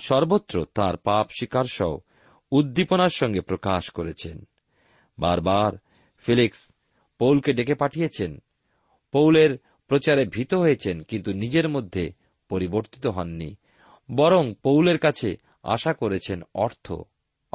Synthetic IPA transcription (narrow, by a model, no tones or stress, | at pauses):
ʃɔɾbot̪ːɾot̪aɾpapʃikaɾʃɔo | ud̪ːiponaɾʃɔŋɡepɾokaʃkoɾet͡ɕʰḛn | baɾbaɾ | filiks | powlkeɖekepaʈʰijet͡ɕʰen | powleɾ | pɾot͡ɕaɾebʱit̪oɦojet͡ɕʰenkint̪unid͡ʑeɾmod̪ʱːe | poɾiboɾt̪i̥t̪oɦɔnːḭ | bɔɾoŋpowleɾkat͡ɕʰe | a̰ʃakoɾet͡ɕʰenɔɾt̪ʰo̰